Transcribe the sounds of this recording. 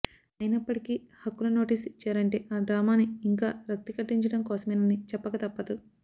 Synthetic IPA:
ɐjinɐpːɐʈikihɐkːulɐno̞ːʈiːsit͡ʃːaːɾɐɳʈeːʔaːɖɾaːmaːniːŋkaːɾɐk̚t̪ːikɐʈːiɲt͡ʃɐɽɐmkɔːsɐmɐːnɐnit͡ʃɛpːɐkɐt̪ɐpːɐt̪u

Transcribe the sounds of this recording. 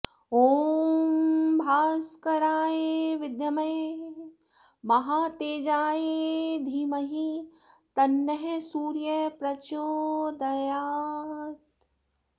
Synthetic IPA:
oːmmbʱaːskɐɾaːjeʋɪd̪jɐmɐj | mɐɦaːt̪eːd͡ʒaːed̪ʱiːmɐɦi | t̪ɐnːɐɦesuːɾjɐpɾɐt͡ʃoːd̪ɐjaːt̪

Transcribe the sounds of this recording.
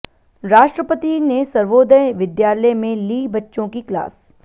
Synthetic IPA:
ɾaːʃʈɾəpət̪inesɐɾʋoːd̪ʱəjʋɪd̪jaːləjmẽliːbɐtːʃõkikla̰ːs

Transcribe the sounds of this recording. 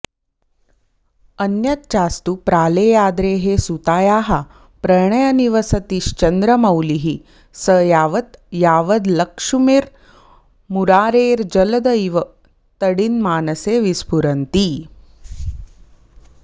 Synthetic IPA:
ɐnjɐt̪t͡ʃaːst̪upɾaːleːjaːd̪ɾeːɦesut̪aːjaːɦa | pɾɐɳ̃ɐjɐniʋɐsɐt̪iʃt͡ʃɐnd̪ɾɐmɐwliɦi | sɐjaːʋɐt̪jaːʋɐd̪lɐkʂumiɾ | muɾaːɾeːɾd͡ʒɐlɐd̪ɐiʋɐ | t̪ɐɽinmaːnɐseːʋispuɾɐnt̪iː

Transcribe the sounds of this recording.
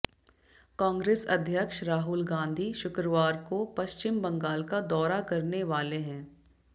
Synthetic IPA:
kãːŋɡɾeːsɐd̪ʱjəkʃɾaːɦʊlɡãːnd̪ʱiʃʊkɾəʋaːɾkopɐʃt͡ʃɪmbɐ̃ŋɡaːlkad̪ɔːɾakɐɾneʋaːleɦɛ̃ː

